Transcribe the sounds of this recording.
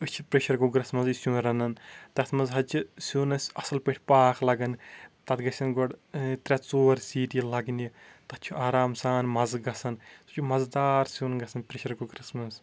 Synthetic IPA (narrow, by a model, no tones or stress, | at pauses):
ɨt͡ʃʰipɾeʃɐɾɡuɡɾismɐzisʲjũːɾɐnɐnt̪ɐt̪ʰmɐzɦɐt͡ʃʰisʲuːnɐsʲɐsɐlpeʈʰʲpaːxʰlɐɡɐnt̪ɐt̪ɡɐsʲɐnɡoɖt̪ɾʲɛt͡soːɾʲsiːd̪ilɐɡnit̪ɐtt͡ʃʰuʔaːɾaːmsaːnmɐzɡɐsɐnsu̥t͡ʃʰumɐzd̪aːɾsʲuːnɡɐsɐnpɾeʃɐɾɡuɡɾismɐs